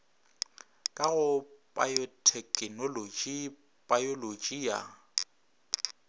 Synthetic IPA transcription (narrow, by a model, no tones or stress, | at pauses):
kʼaɣʊpʼajɔtʰɛkʼɪnolod͡ʒʼi | bʼajolod͡ʒʼia̰